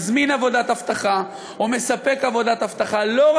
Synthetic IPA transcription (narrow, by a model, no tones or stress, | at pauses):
zminavo̞d̪at̪aft̪aχa | ome̞sape̞kavo̞d̪at̪aft̪aχalo̞ʁ